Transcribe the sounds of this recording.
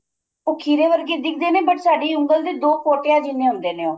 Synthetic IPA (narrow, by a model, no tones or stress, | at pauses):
ʊkʰiːɾeːʋəɾɡeːd̪ɪk̚ʰd̪eːnẽːbəʈsaːɖiːʊŋɡəld̪eːd̪oːkoːʈeːãːd͡ʒɪnːeːɦʊ̃nd̪eːnẽːoː